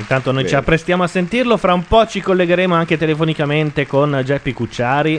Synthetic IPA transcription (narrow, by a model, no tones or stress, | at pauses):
int̪ant̪onojt͡ʃiapːɾest̪jaːmoasːent̪irlofɾaumpɔt͡ʃikolːeɡeɾeːmoaŋket̪elefonikament̪ekond͡ʒɛpːikut͡ʃːaːɾi